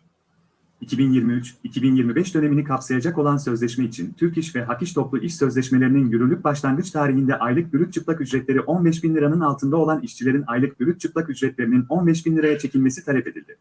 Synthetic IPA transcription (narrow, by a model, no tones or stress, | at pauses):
icʰibinjiɾmiyt͡ʃicʰibinjiɾmibɛʃd̪ø̞ne̞minikʰapsajad͡ʒako̞lˠansø̞zlʲɛʃmɛit͡ʃʰint̪ʰyɾciʃvɛɦakiʃt̪ʰo̞plˠuʔiʃsø̞zlʲɛʃme̞lʲe̞ɾininjyɾylʲyc̚ʲbaʃlˠanɡ̪ɯt͡ʃt̪ʰaːɾiɦind̪ɛʔajlˠɯk̚byɾyt̪̚t͡ʃʰɯplˠakyd͡ʒɾɛt̪lʲe̞ɾiʔo̞nbɛʃ̬binlʲiɾanɯnalˠt̪ʰɯnd̪ao̞lˠaniʃt͡ʃʰilʲe̞ɾinajlˠɯk̚b̥yɾyt̪̚t͡ʃʰɯplˠakyd͡ʒɾɛt̪lʲe̞ɾinino̞nbɛʃ̬binlʲiɾajat͡ʃʰe̞cʰilʲme̞si̥t̪ʰalʲɛpe̞d̪ilʲd̪ɪ